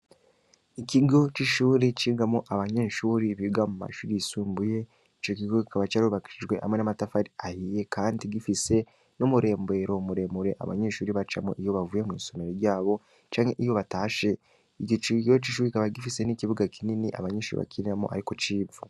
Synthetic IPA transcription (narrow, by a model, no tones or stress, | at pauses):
ikiɡo̞t͡ʃiʃuːɾiciːɡamoʔaβaɲe̞ːʃuːɾiβiɡamuma̰ʃuːɾiisuːmbuje̞ | it͡ʃok̬iɡo̞kikaβat͡ʃaɾuuβaki̥ʃid͡ʒɡwe̞ʔa̰mwenamatafaɾiahiːje̞kʰaːndiɡifise̞ | nomuɾe̞ːmbe̞ːɾo̞muɾe̞ːmuɾe̞ʔa̰βa̰ɲe̞ːʃuːɾiβat͡ʃamo̰ʔijo̞βavujemḭːso̞me̞ɾeɟaːβo̞ | t͡ʃaːŋe̞ʔijo̞βataːʃe̞ | iɟot͡ʃiɡo̞t͡ʃiʃ̬uːɾiikaβaɡifise̞niciβuɡakininiʔa̰βaɲeːʃṵːḭβa̰kinamoʔa̰ɾiko̞t͡ʃiːbvu